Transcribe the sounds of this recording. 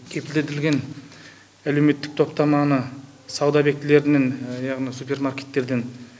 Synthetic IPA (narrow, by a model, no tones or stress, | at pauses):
kʲʰe̞pɪld̪et̪ɪlɡʲe̞n | ælewme̞t̪ːɪk̚t̪ʰo̞pt̪ɑmɑnə | sɑwd̪ɑbe̞k̚t̪le̞ɾɪnenjɑʁnijsupe̞rmarkʲe̞̥t̪ːe̞ɾd̪en